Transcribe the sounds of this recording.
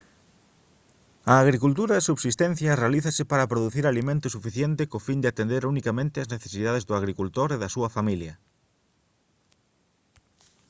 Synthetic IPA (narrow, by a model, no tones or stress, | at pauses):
ɐːɣɾikult̪uɾɐðesuβsist̪en̟θjɐrealiθɐsɪpaɾɐpɾoðuθiɾalimẽnt̪ʊsufiθjent̪ɪkofind̪ɪat̪end̪eɾunikamẽnt̪ɪɐzneθe̥siðaðezðʊaɣ̞ɾikult̪oɾeðɐsuɐfamiljɐ